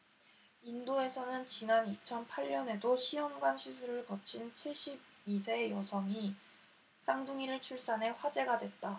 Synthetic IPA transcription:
indoe̞sʰʌnɯnt͡ɕinanit͡ɕʰʌnpʰaʎːʌne̞doɕʰiʌŋɡwanɕʰisʰuɾɯɭkʌt͡ɕʰint͡ɕʰweɕ͈ib̚ | isʰe̞ːjʌsʰʌŋi | s͈aŋduŋiɾɯɭt͡ɕʰuɭs͈anɦe̞ɸwad͡ʑe̞ɡadwe̞t̚t͈a

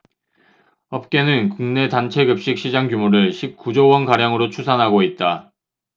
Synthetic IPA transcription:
ʌp̚k͈e̞nɯnkuŋne̞tant͡ɕʰe̞ɡɯp̚ɕ͈ik̚ɕ͈ʰid͡ʑaŋkjumoɾɯɭɕʰip̚k͈ud͡ʑowʌnkaɾjaŋɯɾot͡ɕʰusʰanɦaɡoit̚t͈a

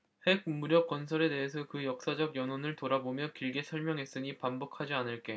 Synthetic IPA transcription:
he̞ɡ̚muɾjʌk͈ːwʌnsʰʌɾe̞de̞ɦes̬ʰʌkɯjʌk̚s͈ad͡ʑʌɡjʌnɦonɯɭtoɾabomjʌkiɭɡe̞sʰʌɭmjʌŋɦe̞s͈ɯɲipambʌkʰad͡ʑianɯɭk͈e̞

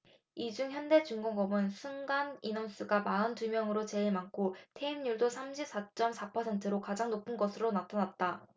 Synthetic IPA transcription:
id͡ʑuŋçjʌnde̞t͡ɕuŋɡoŋɡʌmɯnsʰuŋɡaninʌms͈ɯɡamaɯntumjʌŋɯɾot͡ɕe̞iɭmaŋkʰotʰeimɲuɭdosʰamɕʰip̚s͈at͡ɕ͈ʌmsʰapʰʌsʰe̞ntʰɯɾokad͡ʑaŋnopʰɯnɡʌsʰɯɾonatʰanat̚t͈a

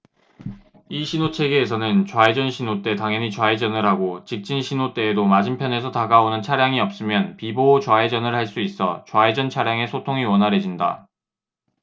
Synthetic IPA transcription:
iɕʰinot͡ɕʰe̞ɡe̞ːsʰʌnɯnt͡ɕwae̞d͡ʑʌnɕʰinot͈e̞taŋjʌɲit͡ɕwae̞d͡ʑʌnɯɭhaɡot͡ɕik̚t͡ɕ͈inɕʰinot͈e̞ːdomad͡ʑimpʰjʌne̞sʰʌtaɡaonɯnt͡ɕʰaɾjaŋiʌp̚s͈ɯmjʌnpiboːt͡ɕwae̞d͡ʑʌnɯɭhaɭs͈uis͈ʌt͡ɕwae̞d͡ʑʌnt͡ɕʰaɾjaŋe̞sʰotʰoŋiwʌnɦaɾe̞d͡ʑinda̰

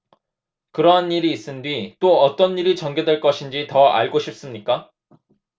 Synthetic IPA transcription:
kɯɾʌɦaniɾiːs͈ɯndɥit͈oʌt͈ʌnːiɾit͡ɕʌŋɡedwe̞ɭk͈ʌɕʰind͡ʑitʌa̰ɭɡoɕʰip̚s͈ɯmɲik͈a

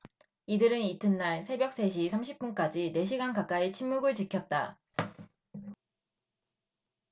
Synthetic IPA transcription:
idɯɾɯnitʰɯnːaɭsʰe̞bjʌk̚s͈e̞ɕ̬ʰisʰamɕʰip̚p͈unk͈ad͡ʑine̞ɕ̬ʰiɡankak͈ait͡ɕʰinːuɡɯɭt͡ɕikʰjʌt̚t͈a̰

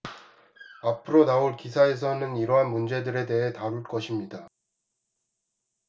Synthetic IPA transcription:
apʰɯɾonaoɭkisʰae̞s̬ʰʌnɯniɾʌɦanmund͡ʑe̞dɯɾe̞de̞ɦe̞taɾuɭk͈ʌɕʰimɲida

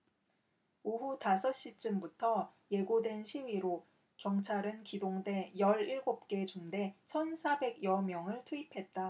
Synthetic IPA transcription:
oɦutasʰʌɕ͈it͡ɕ͈ɯmbutʰʌje̞ɡodwe̞nɕʰiwiɾo | kjʌŋt͡ɕʰaɾɯnkidoŋde̞jʌɾiɭɡop̚k͈e̞t͡ɕumde̞t͡ɕʰʌnsʰabe̞ɡjʌmjʌŋɯɭtʰuipʰe̞t̚t͈a

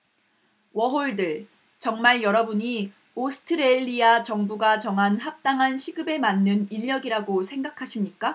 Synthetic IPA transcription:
wʌɦoɭdɯɭ | t͡ɕʌŋmaɭjʌɾʌbuɲi | osʰɯ̥tʰɯɾeʎːiat͡ɕʌŋbuɡat͡ɕʌŋɦanhak̚t͈aŋɦanɕʰiɡɯbe̞manːɯniʎːʌɡiɾaɡosʰe̞ŋɡakʰaɕʰimɲik͈a

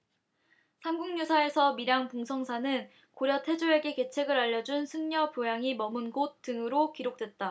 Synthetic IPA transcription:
sʰamɡuŋɲusʰae̞sʰʌmiɾjaŋpuŋsʰʌŋsʰanɯn | koɾjʌtʰe̞d͡ʑuɾe̞ɡe̞ke̞t͡ɕʰe̞ɡɯɾaʎːʌd͡ʑunsʰɯŋɲʌpjojaŋimʌmɯnɡot̚t͈ɯŋɯɾokiɾok̚t͈we̞t̚t͈a

